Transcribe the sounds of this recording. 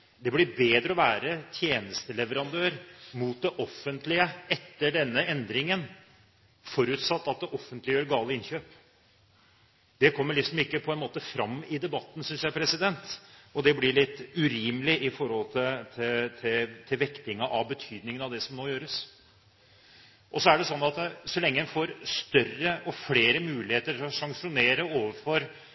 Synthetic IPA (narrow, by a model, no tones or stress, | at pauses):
d̪ɛblɪbeːd̪ɾəɔʋæːɾət̪ʰjeːnəst̪əlɛʋəɾɑnd̪øːɾmuːt̪̚d̪ɛʔɔfːənt̪lɪəɛt̪ːəɖɛnːəɛnd̪ɾɪŋən | fɔɾʉːt̪sɑt̪ːɑt̪̚d̪ɛʔɔfːənt̪lɪjøːɾɡɑːləɪnçøːp | d̪ɛkʰɔmːəɭɪksɔmɪkːəpʰɔɛnmoːt̪əfɾɑmːɪd̪ɛbɑt̪ːn̩sʏnsjæɪpʰɾɛsɪd̪ɛnt̪ɔd̪ɛblɪɭɪt̪ːʉɾiːmlɪʔɪfɔɾhɔlt̪ʰɪt̪ʰɪt̪ʰɪt̪ʰɪlʋɛkt̪ɪŋɑʔɑʋbət̪ʰyːd̪nɪŋənɑʋd̪ɛsɔmnoːjøːɾəs | ʔɔsɔæɖɛsɔnːɑt̪sɔlɛŋːəɛnfoɾst̪œrəʔɔfleːɾəmʉːlɪheːt̪əɾɔsɑŋʂʊneːɾəoːʋəɾfɔɾ